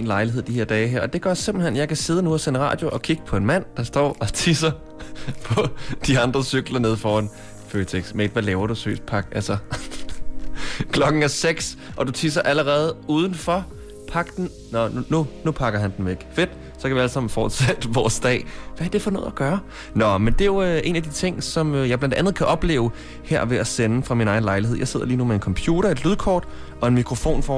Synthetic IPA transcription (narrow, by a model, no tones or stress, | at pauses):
en̩lɑ̈ɪliɦeð̰ˠd̥ihe̝ɐ̰d̥ɛːɪɦeɐ̰ʔɒ̽d̥e̝ɡ̥ɶɐse̝mb̥l̩hen̰jɑ̈ɪkʰæse̝ːðˠənuɒsenʁɑ̰̈ːd̥jo̝ʔɒ̽kʰiɡ̥əpʰɒ̽e̝nmæn̰d̥ɑ̈sd̥ɒ̰ːɒ̽t͡sʰisɐ | pʰɒ̽d̥iɑ̈nd̥ʁɐsyɡ̥lɐne̝ðˠfɒːæn̰ | føt͡sʰeɡ̥smeed̥ʋælɛːʊɐɾ̥usø̰ːsd̥̚pʰɑ̈ɡ̥ælsɐ | kʰlɒ̽ɡ̥ŋ̩æseɡ̥sʔɒ̽dut͡sʰis̬ɐʔæləʁɛːð̞̩ˠuːð̞ˠn̩fɒ̽ | pʰɑ̈ɡ̥d̥n̩ | nɒnunupʰɑ̈ɡ̥ɐɦænd̥en̩ʋeɡ̥fe̝d̥ | sɒkʰæʋiælsɑ̈m̰n̩fɒːd̥sæd̥ʋɒːsd̥ɛ̰ːʋææɐd̥e̝fɒ̽no̽ð̩̰ˠæɡ̥ɶːɐ | nɒ̽mend̥e̝jo̝ʔe̝̰ːnæd̥it͡sʰe̝ŋ̰sɒ̽møjɑ̈ɪblænd̥ænð̞̩ˠkʰæʔɒ̽b̥le̝̰ːʊ | heɐ̰ʋe̝æsenəfʁɑ̈minɑ̈ɪnlɑ̈ɪliɦeð̰ˠjɑ̈ɪe̝ð̞̰ˠɐliːnumee̝nkʰɒ̽mpʰjuːɾ̥ɐe̝d̥lyðˠkʰɒ̰ːd̥ | ɒ̽e̝nmikʰʁo̝fo̝̰ːnfɒ